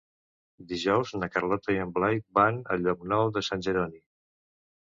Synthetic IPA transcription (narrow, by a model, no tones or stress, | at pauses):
d̪iʒɔwznəkərlɔt̪əiəmblajbanə̰ʎːɔknɔwðəsanʲʒəɾɔni